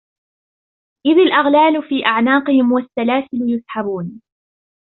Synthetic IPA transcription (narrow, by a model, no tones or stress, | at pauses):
ʔɪðalʔaɣlaːlʊfiːʔaʕnaːqɨhɪmwasːalaːθɪljʊsˤħabuːn